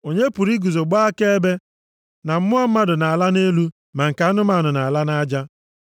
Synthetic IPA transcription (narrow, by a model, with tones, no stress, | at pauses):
o˨ɲe˦pu˨ɾi˦ɡu˨zo˨ɡ͡bɔ˦a˦ke˦e˦be˦ | na˨m̩˦mʊ˦ɔ˦m̩˦ma˦dʊ˨na˨a˨la˦ne˦lu˦ | ma˨ŋ̩˨ka˨a˦nʊ˦ma˨nʊ˨na˨a˨la˦na˦d͡ʒa˦